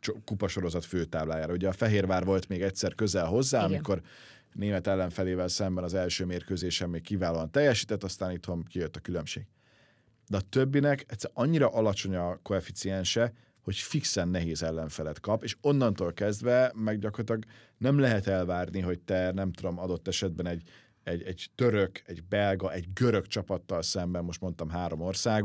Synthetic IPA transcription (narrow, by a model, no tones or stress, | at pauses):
t͡ʃokupɒʃo̞ɾo̞zɒt̪føːt̪aːblaːjaːɾɒuɟɛɒfɛɦeːrvaːrvo̞lt̪meːɡɛcʲsɛrkø̞zɛlɦo̞zːaːɒmiko̞r | neːmɛt̪ɛlːɛɱfɛleːvɛlsɛmbɛnɒzɛlʃøːmeːrkøːzeːʃɛmeːkkiːvaːloːɒnt̪ɛjːɛʃiːt̪ɛt̪ːɒst̪aːnit̪ho̞mkijøt̪ːɒkylø̞mʃeːɡ̥ | d̪ɛɒt̪øbːinɛkɛcsɛɒɲːiɾɒʔɒlɒt͡ʃo̞ɲɒko̞ɛfit̪siɛnʃɛ | ho̞cfiksɛnːɛɦeːzɛlːɛɱfɛlɛt̪kɒpeːʃo̞nːɒnt̪oːlkɛzd̪vɛmɛɡɟɒkort̪lɒɡ | nɛmlɛɦɛt̪ɛlvaːrniɦo̞ct̪ɛnɛmt̪ud̪o̞mɒd̪o̞t̪ːɛʃɛd̪̚bɛnɛɟ | ɛɟɛɟ̥t̪øɾøkɛɟbɛlɡɒʔɛɟɡøɾøkt͡ʃɒpɒt̪ːɒlsɛmbɛmːo̞ʃt̪mo̞nt̪ɒmɦaːɾo̞mo̞rsaːɡ